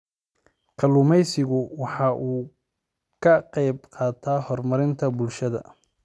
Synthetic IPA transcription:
kʰɐluːmɛjsɪɣʊwɑħɑːʔuː | kʰɐqɑjbqɑːt̪ʰaːhɔrmɐɾɪnt̪ʰɐbʊlʃɐðɐ̰

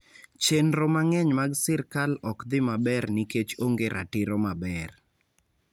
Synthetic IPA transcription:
t͡ʃenɾomaŋɛɲmaɡsɪrkalɔkd̪ɪmabɛrnɪket͡ʃoŋɡeɾʔa̰tɪɾomabɛr

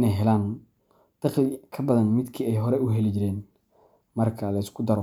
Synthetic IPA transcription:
ɪnɛjɦɛlaːn | t̪ɐχlɪkʰɐbɐðɐnmɪd̪kʰiːɛjɦɔɾɛʊɦɛlid͡ʒɪɾɛːn | mɐrkʰɐlɐɪskʰʊd̪ɐɾɔ

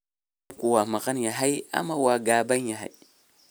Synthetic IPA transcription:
kuwamakanjaɦaja̰mawaɡabanjaɦa̰j

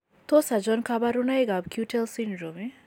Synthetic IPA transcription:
t̪osad͡ʒɔnkʰabaɾunajɡabkʰuʈʰelsinɾɔme

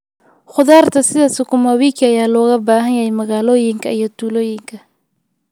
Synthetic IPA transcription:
χʊðaːrt̪ʰɐsɪðaːsɪkʰʊmɐwiːkʰɐjaːlɔːɣɐbaːɦɐnjɐhɛjmɐɣaːlɔːjɪŋkʰɐijɔt̪ʰuːlɔːjɪŋkʰɐ

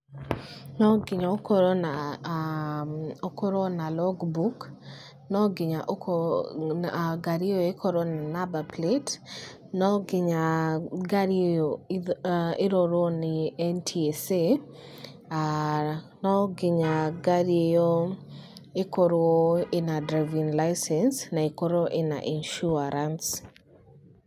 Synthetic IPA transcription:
nɔɡɪɲaokoɾɔna | okoɾonalɔɡbuk | nɔɡɪɲaʔ | ɡaɾejoekʰoɾonanabaplet | nɔɡɪɲaɡaɾejo | ɪɾɔɾɔnɪɛntʰiese | nɔɡɪɲaɡaɾiejo | ekɔɾɔɪnadɾaɪvinlajsɛnsnaɪkɔɾoʔɪna̰ʔinʃuaɾans

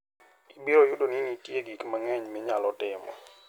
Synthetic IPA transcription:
ibiɾojʊdoninitjeɡikmaŋɛɲmɪɲalɔtɪmɔ̰

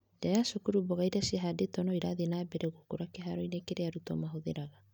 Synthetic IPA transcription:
dajasukuɾubɔɣaiɾaseɦadetɔnɔiɾaðenaːbɛɾɛɣukuɾakeɦaɾɔinekeɾeaɾutɔmaɦoðḛɾaɣa

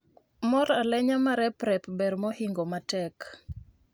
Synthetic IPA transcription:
mɔɾalɛɲamaɾɛpɾɛpbɛɾmɔhiŋɡomatɛk

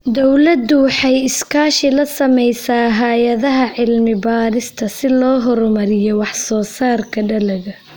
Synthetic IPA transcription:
d̪ɔwlɐd̪ʊwɑħɑjɪskʰaːʃɪlɐsɐmɛjsaːɦaːjɐðɐɦɐʕɪlmɪbaːɾɪst̪ʰɐsɪlɔːɦɔɾmɐɾɪjɔwɑħsɔːsaːrkʰɐɖɐlɐɣɐ

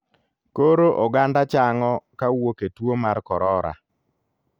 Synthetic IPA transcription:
koɾoʔɔɡandat͡ʃaŋɔkawoketwomaɾkɔɾɔɾa̰

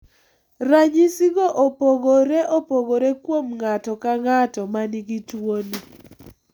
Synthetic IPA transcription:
ɾaɲisiɡoʔopoɡoɾeʔopoɡoɾekwomŋatɔkaŋatɔmaniɡitwoni

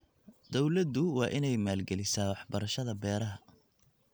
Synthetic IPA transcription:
d̪ɔwlɐd̪ʊwɑːʔɪnɛjmaːlɡɛlɪsaːwɑħbɐɾɐʃɐðɐbɛːɾɐɦɐ

